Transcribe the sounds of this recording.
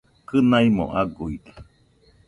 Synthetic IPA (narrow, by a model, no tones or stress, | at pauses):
kɨnaimo̰ʔaɡuidḁ